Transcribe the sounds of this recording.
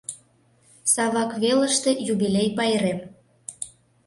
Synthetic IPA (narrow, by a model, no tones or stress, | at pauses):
sɑβɑkβelə̆ʃt̪e̽juβilʲejpɑjəɾem